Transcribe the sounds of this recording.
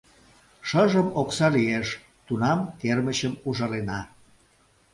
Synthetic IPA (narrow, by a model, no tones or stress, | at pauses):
ʃəʒəmoksɑlieʃ | t̪unɑmkerməɕəmuʒɑlenɑ